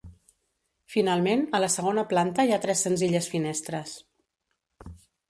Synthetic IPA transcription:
finalˠmenələsəɣ̞onəplant̪əiat̪ɾɛsːənziʎəsfinɛst̪ɾəs

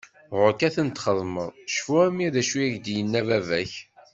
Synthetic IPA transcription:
ʁʊkæθənt̪χəðˤməðˤʃfuæmiðæʃwiæʝd̪jənːævævæç

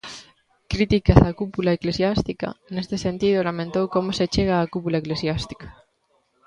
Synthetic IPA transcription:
kɾit̪ikasakupulaekle̞sjast̪ika̰ne̞st̪esẽ̞nt̪ið̞olamẽnt̪owko̞moset͡ʃeɣ̞aːkupulaekle̞sjast̪i̥kḁ

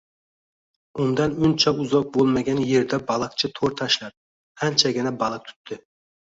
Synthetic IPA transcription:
und̪ɑnynt͡ʃʰɑuzɑq̚bolˠmɑɡʲɛnjeɾd̪ɛbɑlˠɑq̚t͡ʃʰɪt̪ʰoɾt̪ʰɑʃlˠɑp̚ | ɛnt͡ʃʰɛɡʲinɛbɑlˠɑk̚t̪ʰy̥t̪ʰːɪ

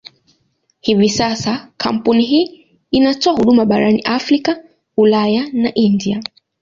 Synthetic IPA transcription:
hivisasakʰam̩puniɦiː | natɔahuɗumaɓaɾanḭʔafɾika | ulajanaʔindia

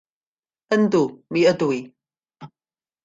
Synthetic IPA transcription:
ʔəndumiʔədui

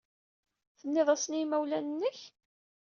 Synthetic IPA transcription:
θənːɪðˤæsnimæwlænənːəç

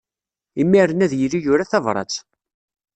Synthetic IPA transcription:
imːiɾənæðjəlːijʊɾæθævɾˤɑ̰t͡s

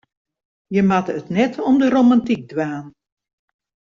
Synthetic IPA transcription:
jəmatətnɛtʰɔmdəromantik̚dwaːn

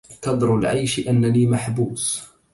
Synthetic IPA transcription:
kɑd̪ˤɾʊlʕajʃʔanːaliːmaħbuːs

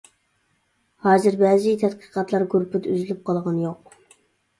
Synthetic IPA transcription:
hɑːzɨɾbɛzɪt̪ʰɛt̪qʰə̥qɑt̪lˠɑɾɡuɾpʰyt̪yzlyp̚qʰɑlˠʁɑnjoq

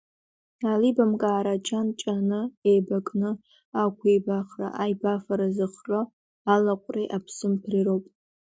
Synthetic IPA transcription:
alibamkʼaːɾat͡ʃʰant͡ʃʼanɨejbakʼnɨ | akʷʰibaχra̰ʔajbafaɾazɨχro | alaqʷʼreʔapʰsɨmpʰrirowpʼ

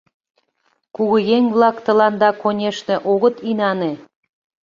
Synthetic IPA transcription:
kuɣəjeŋβlˠɑkt̪ə̆lɑnd̪ɑkonʲeʃne̽ʔoɣə̆t̪inɑne

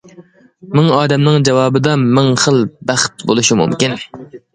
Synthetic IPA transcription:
mɪŋɑːd̪ɛmnɨŋd͡ʒɛwɑːbɨd̪ɑmɪŋχəlˠbæχt̪̚bolˠuʃimṵmkʲin

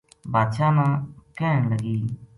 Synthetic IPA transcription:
bʱaːd̪ʃaːmãːkɛːɳləɡiː

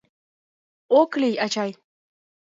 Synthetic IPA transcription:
oklijat͡ʃaj

